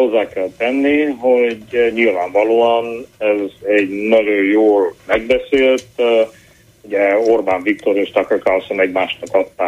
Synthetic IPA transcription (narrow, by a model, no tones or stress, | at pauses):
ho̞zːaːkɛlt̪ɛnːiɦo̞ɟɲilvaːɱvɒloːɒnɛzɛɟnɒɟojjoːlmɛɡ̚bɛseːlt̪ | uɟɛo̞rbaːɱvik̚t̪o̞ɾeʃt̪ɒkɒkalsɔmɛɟmaːʃnɒkɒt̪ːaː